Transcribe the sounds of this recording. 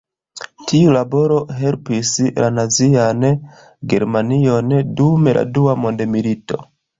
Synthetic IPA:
tiulabo̞ɾo̞ɦe̞lpislʔanazian | ɡe̞̰ɾmanio̞ndume̞lʔa̰duamo̞ndemilito̞̰

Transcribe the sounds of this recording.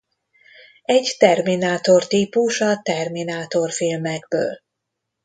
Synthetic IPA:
ɛɟt̪ɛrminaːt̪o̞rt̪iːpuʃɒt̪ɛrminaːt̪o̞rfilmɛɡbø̰ːl

